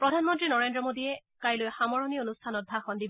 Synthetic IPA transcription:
pɹɔdʱanmɔntɹinɔɹendɹɔmodiɛkajlojxamɔɹɔnionustʰanɔt̚bʱaxɔndib

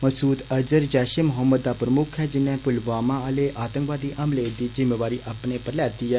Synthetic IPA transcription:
məsuːt̪əd͡ʒəɾd͡ʒaːʃimʊɦəmːəd̪̚ːaːpɾəmʊkʰɦɛːd͡ʒɪnɛ̃ːpʊlʋaːmãəleːʔaːt̪ə̃ŋkʋaːd̪iːʔəmled̪iːzɪmːeːʋaːɾiːʔapneːpəɾlaːt̪iːɛː

